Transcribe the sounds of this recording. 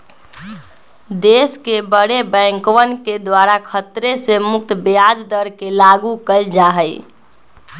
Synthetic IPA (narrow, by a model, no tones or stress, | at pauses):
d̪eskebəɽebə̃ŋkʋənked̪waɾakʰət̪ɾesemuk̚t̪bead͡ʒd̪əɾkelaɡukəld͡ʒaɦəj